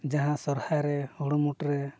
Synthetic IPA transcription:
d͡ʒaɦãsɔɾhajɾɛhuɽumuʈɾɛ

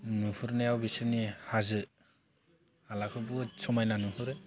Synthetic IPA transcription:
nuhuɾnajawbisɯnihazɯ | halakʰɯbusʰɔmajnanuɦuɾɯ

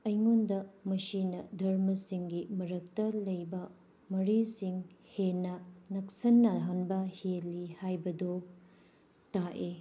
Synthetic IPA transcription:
ɐjŋondɐmɐsinɐdʱɐɾmɐsiŋɡimɐɾɐk̚tɐlɐjbɐ | mɐɾisiŋhenːɐnɐk̚sɐnːɐɦanbɐhelːihajbɐdo | taʔe

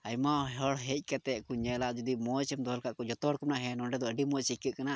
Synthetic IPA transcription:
ajmaɦɔɽɦɛc̚ˀkat̪ɛʔkuɲɛlaʔd͡ʒud̪imɔt͡ʃɛmd̪ɔɔlkaʔkɔd͡ʒɔt̪ɔɔɽkumnaʔɦɛnɔɳɖɛd̪ɔəɖimɔt͡ʃikəʔ̪̚kana

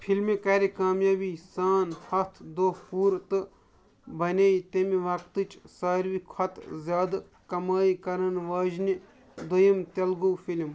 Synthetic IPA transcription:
pʰilmikɐɾikaːmjaːbisaːnhɐt̪ʰd̪opuːɾt̪ɨ | bɐnʲeːjt̪emiʋɐkt̪ɨt͡ʃsaːɾʋikʰɐt̪zʲjaːd̪ | kɐmaːikɐɾɐnʋaːd͡ʒni | d̪ojɐmt̪ɐlɡoːfʰilm

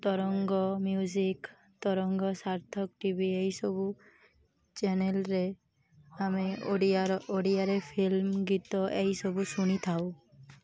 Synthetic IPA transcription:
t̪ɔɾɔŋɡɔmjud͡ʒik | t̪ɔɾɔŋɡɔsaɾt̪ʰɔkʈibieɦisɔbu | t͡ʃenelɾe | ame | oɽiaɾepʰilmɡit̪ɔʔeɦisɔbusuɽ̃it̪ʰaw

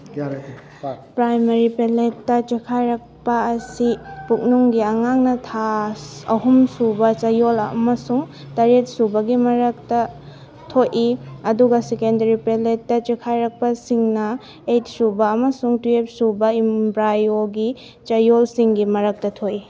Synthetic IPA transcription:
pɾajmɐɾipeletːɐt͡ʃekʰajɾɐk̚pɐːsipuk̚nuŋɡiɐŋaŋnɐtʰaɐɦumsubɐt͡ʃɐjolɐmɐsuŋ | tɐɾet̚subɐɡimɐɾɐktɐ | tʰojʔiɐduɡɐsekendɐɾipeletːɐt͡ʃekʰajɾɐk̚pɐsiŋnɐ | et̚subɐːmɐsuŋtuep̚subɐimbɾajoɡi | t͡ʃɐjolsiŋɡimɐɾɐk̚tɐtʰoʔi

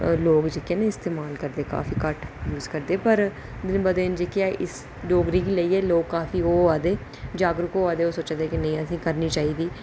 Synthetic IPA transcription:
loːɡd͡ʒeːkẽneːɪst̪eːmaːlkəɾd̪eːka̰ːfiːkəʈjuːzkəɾd̪eːpəɾ | d̪ɪnbəd̪end͡ʒeːkeaːʔɪs | ɖoːɡɾiːkiːləiːɛːloːɡ̚kaːfiːɦoːaːd̪eː | d͡ʒaːɡɾʊkoːaːd̪eːoːsoːt͡ʃad̪eːkɪnəĩːəs̬ĩːkəɾniːt͡ʃaːiːd̪iː

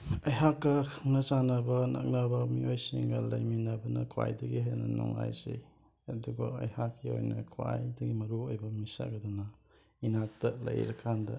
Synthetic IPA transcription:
ɐjɦakːɐkʰɐŋnɐt͡ʃanɐbɐnɐ̰k̚nɐbɐmiojsiŋɡɐlɐjminɐbɐnɐkʰwa̰jdɐɡiɦejnɐnɔŋla̰jze | ɐduɡɐɐjhakːio̰jnɐkʰwa̰jdɐɡimɐɾuojbɐmisa̰ɡɐdɔnɐ | inatɐlɐjɾɐkʰːandɐ

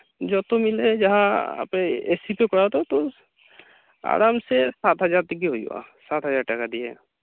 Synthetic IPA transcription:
d͡ʒɔt̪omɪled͡ʒəɦãa̰peesipekɔɽat̪ot̪o | a̰ːɾaːmsesaːt̪ɦəzaɾt̪ikiɦoiwa̰sat̪ɦəzaːɾʈəkad̪iɛ̰

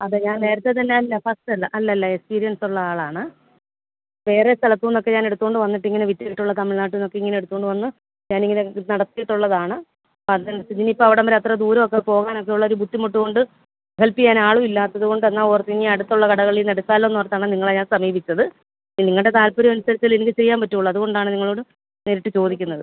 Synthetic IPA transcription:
ɐðɨɲaːnne̞ːɾɐt̪ːet̪ɐnːeilːɐfɐsʈɐlːɐʔɐlːɐlːɐekspiːɾijɐnsuɭːɐaːɭaːɳɨ | ʋe̞ːrest̪ʰɐlɐt̪ːuinːo̞kːe̞ɲaːne̞ɽut̪ːuɣoɳɖɨʋɐnːiʈːiŋːɐneʋitːɐkːiʈːuɭːɐt̪ɐmiɭnaːʈ̬ːunːokːeiŋːɐneeɽut̪ːuɣo̞ɳɖɨʋɐnːɨ | ɲaːniŋːɐnenɐɽɐt̪ːijiʈːuɭːɐðaːɳɨ | pɐðnɐɐtːid͡ʑinipːoːɐʋiɽɐmɐɾeɐt̪rɐd̪uːɾɐmokːepo̞ːɣaːnok̬ːe̞juɭːɐo̞ɾubʱud̪ːimoʈːuɣo̞ɳɖɨ | helpikʲːaːnaːɭumilːaːt̪ːɐðuɣo̞ɳɖɨenːaːoːrɐt̪ːiŋːiɐɽut̪ːuɭːɐkɐɽɐɣɐɭilnɐɽut͡ɕːaːlːoenːuʋɐrt̪ːaːɳɨniŋːɐɭeɲaːnsɐmiːbit͡ɕʲːɐðɨ | niŋːɐɭɨɽe̞t̪aːlpoɾimɐnusɐɾɐt͡ɕ̪ːilenikʲːɕɐrijaːmpɐtːujuɭːɐɐðuɣo̞ɳɖaːɳɨniŋːɐɭoːɽɨ | neɾiʈːɨt͡ɕo̞ːd̪ikʲːunːɐðɨ

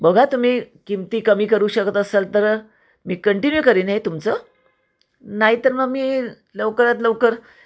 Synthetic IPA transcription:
bəɡʱat̪um̤iːkimt̪iːkəmiːkəɾuːɕəkt̪aːselt̪əɾ | miːkəɳʈinjukəɾiːnɦet̪umt͡sə | naɦit̪əɾməɡmiː | ləʋkəɾat̪ləʋkəɾ

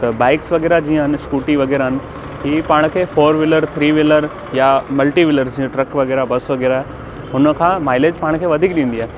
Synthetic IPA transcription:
t̪ɐbaːɪksʋɐɡɛːɾad͡ʑĩːə̃ɦɪnɪskuːʈiʋɐɣɛːɾaɦɪnɪ̆ | ɦiːpaːɽ̃kʰeːfoːɾʋɪləɾt̪ʰɾiːʋɪləɾ | jamɐlʈiʋɪləɾsd͡ʑiːə̃ʈɾɐkʋɐɣɛːɾabɐsʋɐɣɛːɾaɦɛ | ɦʊnə̆kʰãːmaːɪleːd͡ʑpaːɽ̃kʰeːʋɐd̪ʱiːk̚ɗĩːn̆d̪iaːɦnɪ̆

